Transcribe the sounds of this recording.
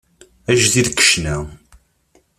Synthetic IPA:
æʒðiðkːə̥ʃnæ

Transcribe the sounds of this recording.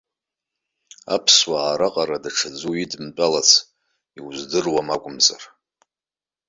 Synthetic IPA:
a̰pʰswaːɾaqʼaɾadaʈ͡ʂʰad͡zuidmt͡pʼalat͡sʰ | iwzdɨrwamakʷʼʊmza̰r

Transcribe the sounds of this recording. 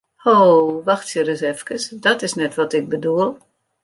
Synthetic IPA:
hoʋaxtsjəɾəsɛfkəsdɔtɪsnɛtʋɔtɪk̚bəduəlˠ

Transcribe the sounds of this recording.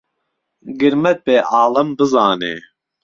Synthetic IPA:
ɡɨɾmɛt̪̚peːʔɑːlɐmbɨzɑːnḛː

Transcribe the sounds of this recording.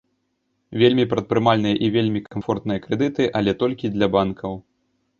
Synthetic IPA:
vʲelʲmʲipɾɐt̪̚pɾɨmalʲnɨjɐʔivʲelʲmʲikamfɔrt̪nɨjɐkɾɛd̪ɨt̪ɨʔɐlʲɛt̪ɔlʲkʲid̪lʲɐbankʰɐw

